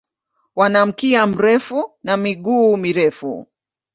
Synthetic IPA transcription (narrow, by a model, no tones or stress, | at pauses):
wanam̩kiam̩ɾɛfunamiɠuːmiɾɛfṵ